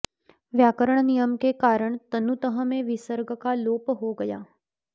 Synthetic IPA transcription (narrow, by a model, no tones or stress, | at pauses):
ʋjaːkəɾəɽ̃nijəmkekaːɾəɽ̃t̪ɐnũt̪ɐɦə̃mẽʋisəɾɡəkaloːpɦoɡɐja̰ː